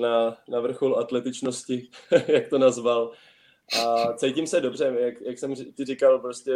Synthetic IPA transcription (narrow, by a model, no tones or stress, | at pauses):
nanavr̩xolat̪lɛt̪ɪt͡ʃno̞scɪjak̚t̪o̞nazval | ʔat͡sɛjcɪmsɛdo̞br̝ɛjakjaksɛmcɪrɪkalpɾoscɛ